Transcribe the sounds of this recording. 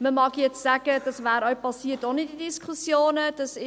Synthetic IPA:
məmɑɡjɛt͡ssæɡ̥əd̥ɑsvæːɾœʊpʰɑsiːtonɪtidiskʰχusjoːnəd̥ɑsɪ

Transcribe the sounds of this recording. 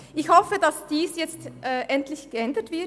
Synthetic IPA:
ʔɪçhɔfədɑsd̥iːsjɛt͡stʔɛːʔɛntlɪçɡ̥əɛndətv̥ɪɐ

